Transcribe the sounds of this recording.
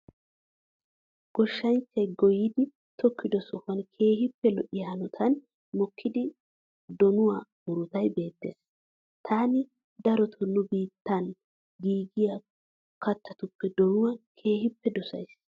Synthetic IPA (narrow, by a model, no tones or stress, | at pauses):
ɡ̥ɔʃːɐnt͡ʃːɐjɡɔjɪd̪ɪ | t̪ʰɔkʰːɪd̪ɔsɔhɐnkʰe̞ːhɪpːɛlɔʔɪjhɐnɔt̪ʰɐn | mɔkʰːɪd̪ɪ | d̪ɔnʊwamʊɾʊt̪ɐjbe̞ːt̪ːe̞̰ːs | t̪ʰaːnɪ | d̪ɐɾɔt̪ʰɔnːʊbiːt̪ːɐn | ɡiːɡɪjɐ | kɐt̪ʰːɐt̪ʊpːɛd̪ɔnʊwɐkʰe̞ːhɪpːɛd̪ɔsɐ̰js